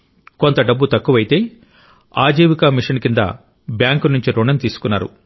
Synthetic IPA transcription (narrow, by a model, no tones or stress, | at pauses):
ko̞nt̪ɐɖɐbːut̪ɐkːuʋɐjit̪e̞ː | aːd͡ʒiːʋikɐmiʂɐnkind̪ɐ̰ | bjaːŋkunuɲt͡ʃiɾuɳɐnt̪iːsu̥kunːaːɾṵ